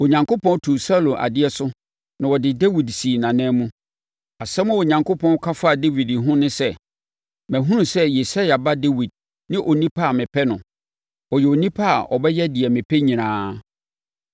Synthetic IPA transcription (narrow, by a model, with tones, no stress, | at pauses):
o˨ɲã˨ŋko˦pʰɔ̃˦n˦tʰu˨sa˦lõ˨nʔa̰˨dɪ˦ɛ˦sʊ˦ | nã˨wɔ˨dɪ˨de˦wi˨dsi˨nã˨nɛ̃ː˦mũ˦ | a˨sɛ˦mʊ̃˦o˨ɲã˨ŋkʰo˦pʰɔ̃˦n˦kʰa˦fa˦˨de˦wi˨dɦʊ̃˦nɪ̃˦sɛ˦ | mæ̃˨ɦũ˦nũ˨sɛ˦je˨sa˦ja˨ba˦de˦wi˨d̚ | nɪ̃˦ʔo˨nĩ˦pʰa˦a˨mɪ̃˨pʰɛ˦nʊ̃˨ | wɔ˨jɛ˨o˨nĩ˦pʰa˦a˨ʔɔ˨bɛ˦jɛ˦dɪ˨ɛ˨mɪ̃˨pʰɛ˦ɲĩ˨nãː˨˦